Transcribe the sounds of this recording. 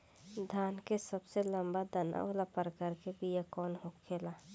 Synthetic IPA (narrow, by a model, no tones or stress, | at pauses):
d̪ʱaːnkesəbselə̃mbad̪əna̰olapəɾkaɾkebʱijakɔːnɦokʰeːla